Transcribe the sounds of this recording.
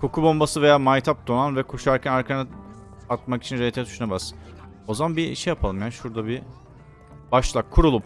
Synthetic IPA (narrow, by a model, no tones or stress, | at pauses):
kʰo̞kʰubo̞mbasɯve̞jaːmajt̪ʰap̚d̪o̞nanvɛkʰo̞ʃaɾcʰænaɾkʰanɯ | at̪̚maki̥t͡ʃʰinɾet̪ʰɛd̪ʰy̥ʃunabaz | o̞zamanbḭʃɛjapʰalˠɯmjanʃuɾd̪abi | b̥aʃlˠakʰːuɾulˠum